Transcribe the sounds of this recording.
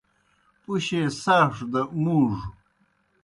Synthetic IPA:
puɕesaːʂd̪ɐmuʐ

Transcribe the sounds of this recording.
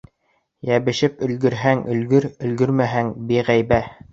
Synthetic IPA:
jæβɘ̆ʃɘp̚ɵ̆lɡɵ̆ɾɦæŋɵ̆lɡɵɾɵ̆lɡɵɾmæɦæŋbiʁæjbæ

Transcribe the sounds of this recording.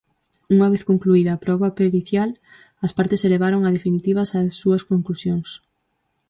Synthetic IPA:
uŋɐβ̞eθkoŋkluiðɐːpɾɔβɐpeliθjal | ɐspaɾt̪eseleβ̞aɾoŋɐð̞efinit̪iβ̞ɐsasːuɐskoŋklusjoŋs

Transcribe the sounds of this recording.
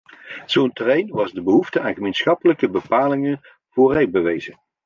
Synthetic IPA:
z̥owntərejnʋɑzdəbəɦuftəaːnχəmejnsχɑpələkəbəpaːlɪŋən | v̥oːrɛj̚bəʋejzən

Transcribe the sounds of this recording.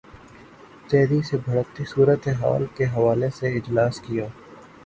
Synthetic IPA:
t̪ɛːɾisebʱɐɽəkt̪isuːɾət̪eɦa̰ːlkeɦɐʋaːleseɪd͡ʒlaːskijaː

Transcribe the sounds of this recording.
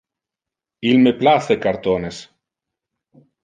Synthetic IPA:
ilmeplaθekaɾt̪ones

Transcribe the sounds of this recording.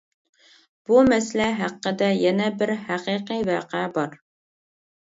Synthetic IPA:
b̥umɛslɛɦæqːəd̪ɛjɛnɛbɪɾhæqiːqivɑːqɛbɑɾ

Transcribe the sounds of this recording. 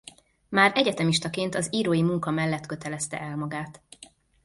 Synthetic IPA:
maːɾʔɛɟɛt̪ɛmiʃt̪ɒkeːnt̪ɒziːɾoːjimuŋkɒmɛlːɛt̪kø̞t̪ɛlɛst̪ɛ̰ʔɛlmɒɡaːt̪

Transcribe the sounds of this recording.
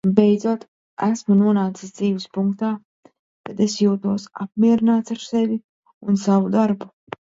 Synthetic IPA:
bejd̪zuɔt̪ | æsmunuɔnaːt̪sisd̪ziːvispuŋkt̪aː | kad̪esjuːt̪uɔsap̚miɛɾinaːt̪saɾsɛvi | unsavud̪aɾbu

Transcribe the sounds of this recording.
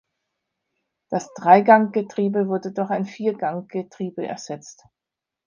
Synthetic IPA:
d̥asd̥ʁaɪɡaŋɡ̥ətʁ̥iːbəvʊɐdədʊɐχaɪnfiːɐɡaŋɡ̥ətʁ̥iːbəʔɛ̰ɐz̥ɛt͡st

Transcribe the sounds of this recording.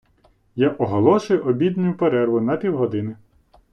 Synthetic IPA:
jaʔɔɦɔlˠɔʃʊjʊʔɔbʲid̪nʊjʊpeɾɛrʋʊnɐpʲiwɦɔd̪ɪnɪ

